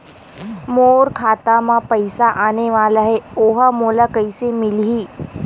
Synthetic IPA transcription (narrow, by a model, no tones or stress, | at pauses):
moːɾkʰaːt̪amãpɐɪsaʔaːneʋaːlaɦɛoːɦamoːlakɐɪsemɪlɦiː